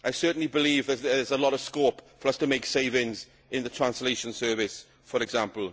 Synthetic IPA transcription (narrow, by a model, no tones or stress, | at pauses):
ʔaɪsɜˑ˞ʔn̩libɪliːvðəəzəlɔɾəv̥skoːpfəɹəstʰəmeɪkseɪvɪ̃ŋz | ɪ̃nðətʰɹ̥ãnsleɪʃə̃nsɜːvɪs | fəɹɛɡzãmpəl̩ˠ